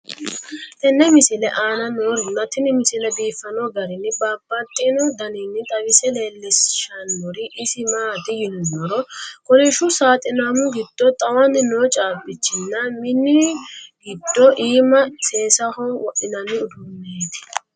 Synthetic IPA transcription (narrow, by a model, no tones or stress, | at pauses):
t̪ɛnːɛmɪsɪlɛʔaːnɐnoːɾɪnːɐt̪ɪnɪmɪsɪlɛbiːfːɐnɔɡɐɾɪnːɪbaːbːɐt̪ʼːɪnɔd̪ɐninːɪt̪ʼɐwɪsɛle̞ːlːɪsʃɐnːʊɾɪʔːsɪmaːt̪ɪjɪnɔnɔɾɔkɔlɛʃʊsaːt̪ʼɪnaːmʊɡɪd̪̥ːɔt̪ʼɐwɐnːɪnoːt͡ʃʼaːbɪt͡ʃːɪnːɐmɪnːɪɡɪd̪ːɔʔiːmɐseːsɐhɔwɔʔɪnɐnːɪʊd̪ʊmːeːd̪ɪ̥